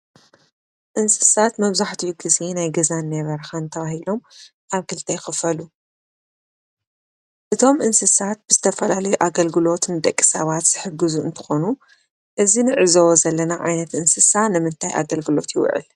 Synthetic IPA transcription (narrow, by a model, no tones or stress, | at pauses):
ʔɨnsɨ̥sat̪mɐβzaħt̪ʰujɡɨzinajɡɐzanːɐβɐɾxant̪ʰɐβahilo̞m | ʔaβkʰɨlt̪ʰɐjxɨfɐlu | ʔɨt̪ʰo̞mʔɨnsɨsat̪̚b̥ɨzɨt̪ʰɐfɐlalɐjuʔaɡɐlɡɨlo̞t̪ʰɨnd̪ɐkʼːi̥sɐβat̪z̥ɨħɨɡɨzuɨ̰nt̪ʰɨ̥xo̞nu | ʔɨzinɨʕɨzɐwozɐlːɐnaʕa̰jnɐt̪ʔɨnsɨsanɨmɨnt̪ʰajʔa̰ɡɐlɡɨlo̞t̪jɪw̰ʕɨ̰l